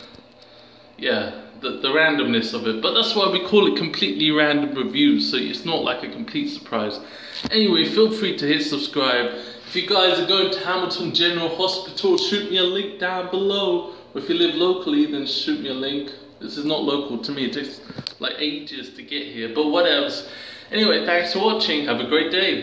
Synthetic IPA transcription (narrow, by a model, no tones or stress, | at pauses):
jæðɨðəɹæ̃ndɨ̃mnɨsʌvɨt̚b̥ʌt̪̚ðætswaɪwikʰɔlˠɨt̚kʰm̩pʰl̥iʔˡliɹæ̃ndə̃mɹɨvjʉsoʊɪ̰tsnəʔla̰ɪkɨkʰm̩pʰl̥itsə̥˞pʰɹ̥aɪz̥ | ʔɛniweɪfilˠfɹiɾɨhɪsəb̥skɹaɪb | ɨfjɨɡaɪzɨɡoʊɪ̃ŋtʰəhæml̩ˠtʰə̃nd͡ʒɛnə˞l̩ˠhɑspɨtʰl̩ˠʃʉt̚miəlɪ̃ŋk̚d̥ãʊ̃nbəloʊ | əɨfjɨlɪvloʊkʰl̩ˠiðɨ̃nʃʉt̚miəlɪ̃ŋk | ðɪsɨznəʔˡloʊkʰl̩ˠtʰəmiɨtɪsla̰ɪkeɪd͡ʒɨstʰɨɡɛʔ̚hiɹbʌt̚wʌɾɛlˠsʔɛniweɪθæ̃ŋkstʰəwɑt͡ʃɪ̃ŋɨvɨɡɹeɪt̚d̥eɪ